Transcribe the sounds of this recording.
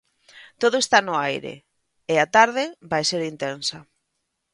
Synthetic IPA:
t̪oð̞ʊest̪anʊajɾḛ | eat̪aɾð̞ɪbajseɾint̪ensɐ

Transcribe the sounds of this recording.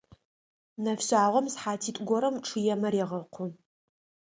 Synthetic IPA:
nɐfɕʼaːʁʷɔmsħaːtʰiːtʼɡʷɔɾɐmʈ͡ʂʰɨjɛmɐɾeʁɐqʷʰʊ

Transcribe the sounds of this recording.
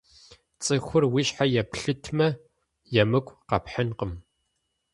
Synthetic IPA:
t͡sʼɨxʷʊrwiɕħajɛpɬɨtʰmɐ | jɛmɨkʷʼqɐpħənqəm

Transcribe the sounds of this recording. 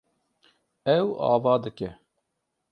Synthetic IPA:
ɛwɑ̰ːvɑːd̪ɨkɛ

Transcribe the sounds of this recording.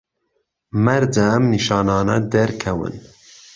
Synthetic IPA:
mɛɾd͡ʒɛmniʃɑːnɑːnad̪ɛɾkʰɛwɨ̰n

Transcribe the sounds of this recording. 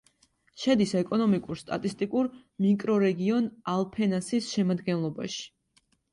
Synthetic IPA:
ʃɛd̪isɛkʼɔnɔmikʼuɾst̪ʼa̰t̪ʼist̪ʼikʼuɾ | mikʼɾɔɾɛɡiɔnalˠpʰɛnasisʃɛmad̪ɡɛnlˠɔba̰ʃi̥

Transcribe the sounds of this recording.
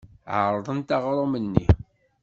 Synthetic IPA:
ʕə̰ɾˤðˤənt̪ɑʁɾˤomənːḭ

